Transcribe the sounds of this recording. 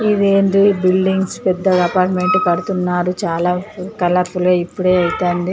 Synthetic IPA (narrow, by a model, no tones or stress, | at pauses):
id̪eːnd̪ibilɖiŋɡspɛd̪ːɐɐpaːɾʈme̞ɳʈukɐɽut̪unːaːɾut͡ʃaːlaːkɐlɐɾpuloːipːuɽe̞ːɐjt̪aːnɖi